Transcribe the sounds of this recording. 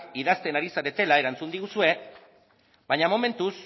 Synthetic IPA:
iðast̪e̞naɾisaɾe̞t̪e̞lae̞ɾant͡sund̪iɣusue̞ | baɲamo̞me̞nt̪us

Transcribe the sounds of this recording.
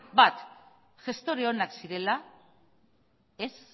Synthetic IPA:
bat̪ | ʝe̞st̪o̞ɾeo̞naksiɾe̞la | es

